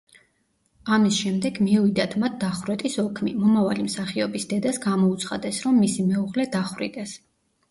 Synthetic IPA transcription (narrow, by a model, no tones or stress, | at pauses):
amisʃɛmd̪ɛɡmiuvid̪at̪ʰmat̪̚ʰd̪aχwɾɛt̪ʼisɔkʰmimɔmavalimsaχiɔbisd̪ɛd̪asɡamɔut̪sʰχa̰d̪ɛsɾɔmːisimɛuʁlɛd̪aχwɾḭd̪ɛs